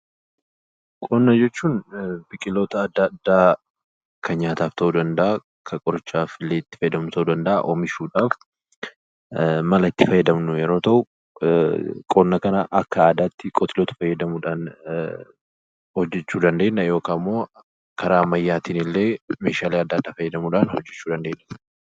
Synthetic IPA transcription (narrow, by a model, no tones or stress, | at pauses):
kʼoːnːɐd͡ʒɛt͡ʃːuːnbɪkʼɪloːt̪ɐːd̪ːɐd̪ːaː | kʰɐɲaːt̪aːft̪ʰɐʔuːd̪ɐnd̪ɐʔɐ | kʰɐkʼɔɾɪt͡ʃːaːfɪlːeːɪt̪ːɪ̥fɐjːɛd̪ɐmʊt̪ʰɐʔuːd̪ɐnd̪ɐʔa̰ʔomɪʃuːᶑaːf | mɐlɐɪt̪ːɪfɐjːɛd̪ɐmnʊjɛɾo̞ːt̪ɐʔʊ | kʼoːnːɐkɐnɐʔɐkːɐaːd̪aːt̪ːɪkʼɔt̪ʰɪloːt̪ɐ̥fɐjːɛd̪ɐmuːᶑaːn | hɔd͡ʒːɛt͡ʃːuːd̪ɐnd̪e̞ːnːɐjo̞ːkaːmːo̞ː | kʰɐɾaːmɐjːaːt̪iːnɪlːe̞ːme̞ːʃaːleːɐd̪ːɐd̪ːaːfɐjːɛd̪ɐmuːᶑaːnhɔd͡ʒːɛt͡ʃːuːd̪ɐnd̪e̞ːnːɐ